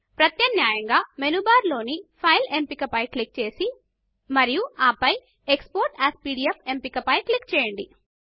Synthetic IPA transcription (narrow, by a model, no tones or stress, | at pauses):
pɾɐt̪jɐnjaːjɐŋɡaːmenubaːɾlo̞ːnipʰɐjlempikɐpɐjklik̚t͡ʃe̞ːsi | mɐɾijuaːpɐj | ekspoːɾʈaːspiːɽiepʰempikɐpɐjklikːt͡ʃɛːjɐɳɖi